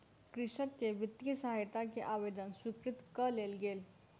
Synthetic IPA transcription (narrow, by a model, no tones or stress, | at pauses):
kɾɪʃəkːeʋɪt̪jisəɦajt̪akeʔaʋed̪ənswikɾɪt̪kəleːlɡeːl